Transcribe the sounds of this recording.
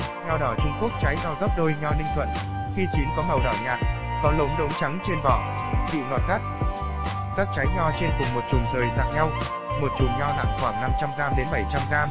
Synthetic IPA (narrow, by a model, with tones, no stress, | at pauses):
ɲɔ˧ɗɔ˧˩t͡ɕʊ˧ŋ͡mku˦˥ək̚t͡ɕa˨˦jza˧˩wɣə˦˥p̚ɗo˧jɲɔ˧nï˧ŋt̪ʰə̰˧˨n | xi˧t͡ɕwi˨˦nkɔ˨˦mə˨˩wɗɔ˧˩ɲaː˨˩t̚ | kɔ˨˦lə̰˨˦wŋ͡mɗə̰˧˦˥wŋ͡mt͡ɕa˨˦ŋt͡ɕe˧nvɔ˧˩ | ɓḭ˧˨ŋwɔ˨˩t̚xa˦˥k̚ | kaː˦˥k̚t͡ɕa˨˦jɲɔ˧t͡ɕe˧nkʊ˨˩ŋ͡mmo˨˩t̚t͡ɕʊ˨˩ŋzəː˨˩jza̰ː˧˨ŋɲa˧w | mo˨˩t̚t͡ɕʊ˨˩ŋ͡mɲɔ˧na̰˧˨ŋxwaː˧˩ŋna˧mt͡ɕa˧mɣaː˧mɗe˨˦nɓə˧˩jt͡ɕa˧mɣaː˧m